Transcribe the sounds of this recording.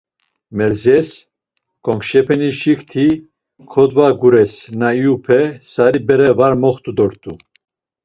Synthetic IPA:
mɛɾzɛs | kʰɔŋkʃɛpʰɛniʃikʰt̪ʰi | kʰɔd̪vaɡuɾɛsnaiupʰɛsaɾibɛɾɛvaɾmɔχt̪ʰʼud̪ɔɾt̪ʼu

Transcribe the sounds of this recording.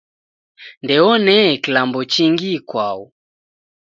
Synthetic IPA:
ndɛɔnɛkilambɔt͡ʃiŋɡikwau

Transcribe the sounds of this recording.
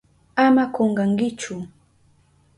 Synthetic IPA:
amakoɴɢɑŋkɪt͡ʃʊ

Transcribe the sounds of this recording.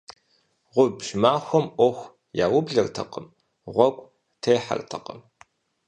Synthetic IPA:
ʁʷʊbʒmaːxʷɔmʔʷɔxʷ | jaːwʊbɮɐrtʰɐ̰qəm | ʁʷɔkʷʼ | tʰeːħa̰rtʰɐ̰qəm

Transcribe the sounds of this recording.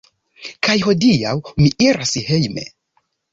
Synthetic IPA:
kajho̞diawmiʔiɾashejmḛ

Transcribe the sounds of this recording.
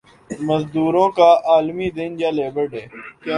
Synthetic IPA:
məzd̪uːɾõːkaːʔaːlmiːd̪ɪnd͡ʒaːleːbəɾɖɦeː

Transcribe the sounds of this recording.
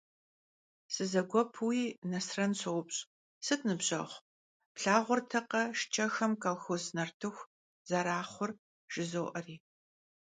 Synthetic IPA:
sɨzɐɡʷɔpʰuwiːnɐsrɐnɕʰɨwʊpɕʼ | sɨknɨbɕʼɐ̰χʷ | pɬaːʁʷʊrtʰɐqɐʃt͡ʃʼʰɐxɐmkɐlxoznɐrtʰɨxʷ | zɐɾaːχʷʊr | ʒ̥ɪzoːʔɐriː

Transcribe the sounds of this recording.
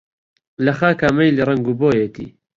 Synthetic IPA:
lɐxaːkaːmɐjlirɐŋɡuːboːjet̪ʰḭː

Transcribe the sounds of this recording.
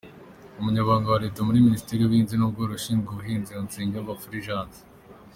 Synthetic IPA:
umuɲaβaːŋɡawaɾeːtamuɾiministeɾiuβhiːnzinub̚ɡoːɾuʃiːŋɡuβuɦiːnziont͡siːɲɡeuβafuɾiʒaːnzi̥

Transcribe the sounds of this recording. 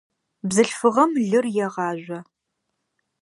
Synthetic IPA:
bzɨɬfɨʁɐmɮɨrjɛʁɑːʒʷɐ

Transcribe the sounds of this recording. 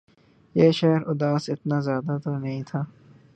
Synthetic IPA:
jeːʃɛɦɾʊd̪aːsɪt̪nazjaːd̪at̪onɐɦĩt̪ʰaː

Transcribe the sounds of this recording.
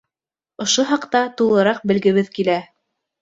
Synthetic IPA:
ŏʃoɦɑqt̪ɑt̪ulˠɤ̆ɾɑq̚bɘ̆lɡɘ̆βɘðkilæ

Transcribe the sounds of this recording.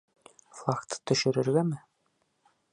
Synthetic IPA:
flˠɑkt̪ɤ̥t̪ɵ̆ʃɘ̆ɾɘ̆ɾɡæmɘ

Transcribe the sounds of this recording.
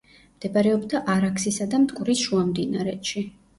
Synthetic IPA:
md̪̥ɛbaɾɛɔbd̪aʔaɾakʰsisad̪amt̪ʼkʼuɾisʃuamd̪inaɾɛtʃi

